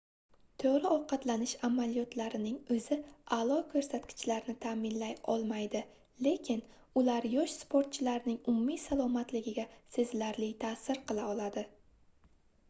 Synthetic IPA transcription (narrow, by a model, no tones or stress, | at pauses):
t̪ʰoɾɪɒqʰɑt̪lanɪʃamalijɒt̪ʰlaɾɪnɪŋɵzɪalˠɒkʰɵɾsat̪kʲʰɪ̥t͡ʃlaɾnɪt̪ʰamɪnlajɒlˠmajd̪ɪ | le̞kʲʰɪn | ʊlaɾjɒʃspʰoɾt̪̚t͡ʃʰɪlaɾnɪŋʊmʊmijsalˠɒmat̪lɪɡʲɪɡʲase̞zlaɾlɪjt̪ʰaːsɪɾqʰɨlˠaɒlˠad̪ɪ